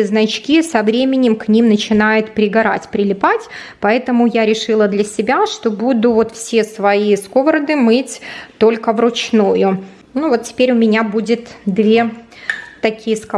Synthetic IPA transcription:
znɐt͡ɕkʲisɐvɾʲemʲɪnʲɪmknʲimnət͡ɕɪnajʊt̪pɾʲɪɡɐɾa̰tʲpɾʲɪlʲɪpatʲ | pɐɛt̪əmʊjaɾʲɪʂɨlˠəd̪lʲɐsʲɪbʲaʂt̪o̞bud̪ʊvo̞t̪fsʲe̞svɐiskovɾəd̪ɨmɨtʲt̪o̞lʲkəvɾʊt͡ɕnujʊ | nuvo̞t̪tʲːɪ̥pʲeɾʲʊmʲɪnʲabudʲɪt̪d̪vʲe̞ | t̪ɐkʲijəsk

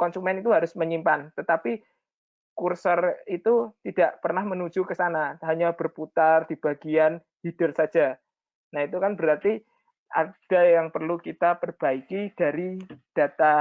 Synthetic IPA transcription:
kɔnsumɛnit̪uɦaɾʊsməɲimpant̪ət̪api | kursərit̪ut̪id̥aʔpərnahmənu̥d͡ʒ̥ukəsanaɦaɲab̥ərput̪ard̥i̤b̥aɡian | hid̥ɪrsḁd͡ʒ̥a | nahit̪ukanbəɾart̪i | ʔa̰d̥a̤jaŋpərlukit̪apərb̥aikid̥a̤ɾid̥a̤t̪a

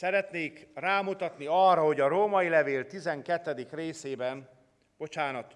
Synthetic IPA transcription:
sɛɾɛt̪neːkraːmut̪ɒt̪niɒrːɒɦo̞ɟɒɾoːmɒjilɛveːlt̪izɛŋkɛt̪ːɛd̪ikreːseːbɛm | b̥o̞t͡ʃaːnɒt̪

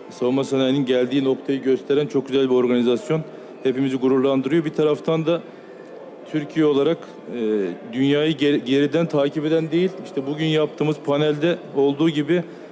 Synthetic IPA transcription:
savumasanajninɟælʲd̪iːno̞kt̪ʰajɯɟø̞st̪ʰeɾænt͡ʃʰo̞k̚ɟyzælʲbio̞ɾɡanizasjo̞n | he̞pimiziɡuɾuɾlˠand̪ɯɾɯjo̞bit̪ʰaɾaft̪ʰand̪a | t̪ʰyɾcʰijɛo̞lˠaɾakː | d̪ynjaːjɯɟe̞ɾid̪ænt̪ʰaːcipe̞d̪ænd̪e̞jilʲiʃt̪ʰɛbuɟynjap̚t̪ʰɯːmɯzpʰanælʲd̪ɛ | o̞lˠd̪uːɟibɪ

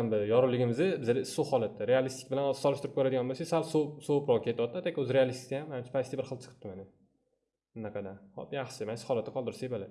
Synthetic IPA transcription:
ambɪjɒɾʊlɪɡʲɪmɪzɪbɪzalɪɪsohɒlˠat̪ʰːaɾealist̪ɪ̥kʲbɪlansɒlˠɪʃt̪ɪɾɪp̚kʰoɾad̪ɪɡʲanbose̥salsosopɾɒkʲʰet̪ɒt̪at̪akʲʊzɾealist̪ɪ̥kʲajamanɪmt͡ʃʰɪ̥pʰajst̪bɪɾχɨlˠt͡ʃ̪ʰɨ̥qʰɨ̥p̚t̪ɪmanɪ | ɪnaqʰɑd̪anhɒ̰pjaχʃɪmansɪ̥hɒlˠat̪ːɪqʰɒlˠd̪ɪɾsebalɪ

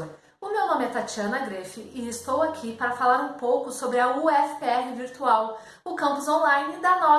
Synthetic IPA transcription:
ʊmewnõmɪɛt̪at͡ʃiɐ̃nɐɡɾefɪɪɪst̪owakʰipaɾɐfalaɾũpowkʊsobɾɪɐuɛfpeɛɦɪviɾt̪uaw | ʊkɐ̃pʊzõlajnɪd̪ɐnɔ

